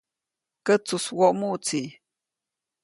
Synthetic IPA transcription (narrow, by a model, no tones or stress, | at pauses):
kət͡suswoʔmut͡si